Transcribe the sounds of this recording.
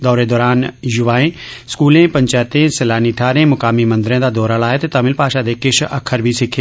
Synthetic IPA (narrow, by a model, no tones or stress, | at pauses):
d̪ɔːɾed̪ɔːɾaːnjʊʋaːẽːskuːlẽːpɐɲt͡ʃaːt̪ẽːselaːniʈʰaːɾẽːmʊkaːmimɐ̃nd̪ɾẽːd̪ad̪ɔːɾalaːɦet̪et̪amɪlpaːʃad̪eːkɪʃʰɐ̰kʰːəɾbʱisɪkʰe